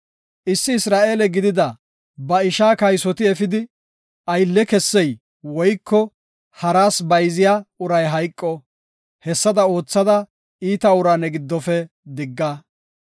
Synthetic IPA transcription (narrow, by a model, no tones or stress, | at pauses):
ʔɪsːɪːsɾaːʔe̞ːlɛɡɪd̪ɪd̪ɐ | bɐɪʃaːkɐjsɔt̪ɪɛfɪd̪ɪ | ʔɐjlːɛkɛsːɛj | wɔjkːɔ | hɐɾaːsbɐjzɪjaʊɾɐjɦɐjkʼːɔ | hɛsːɐd̪ɐo̞ːt͡sːɐd̪ɐ | iːt̪ɐʊɾaːnɛɡɪd̪ːɔfɛ | d̪ɪɡːa